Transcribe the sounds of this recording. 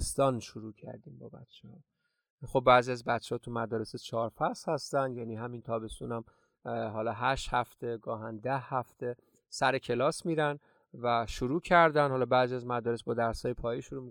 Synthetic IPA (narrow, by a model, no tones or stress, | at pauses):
st̪ɒːnʃoɾuːcʰæ̰ɾd̪iːmbɒːbæ̰t̪t͡ʃʰːehɒ | xobːæːziæzbæt̪t͡ʃʰːehɒːt̪ʰumæd̪ɒːɾeset͡ʃʰɒːɾfæshæst̪ænd̪jæniːɦæmint̪ʰɒːbe̞st̪uːnæm | ɦɒːlɒːɦæʃt̪hæft̪e̞ɡɒːɦænd̪æhːæft̪e̞ | sæɾecʰe̞lɒːsmiːɾæn | væʃoɾuːcʰæɾd̪ænhɒlɒːbæːziæzmæd̪ɒːɾesbɒːd̪æɾsɒːjepʰɒːjiʃoɾuːmi